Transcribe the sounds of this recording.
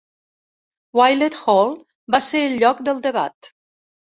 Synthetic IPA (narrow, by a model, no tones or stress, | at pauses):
wajlet̪xɔlˠ | baseɾəlʎɔkd̪əlˠd̪əβa̰t̪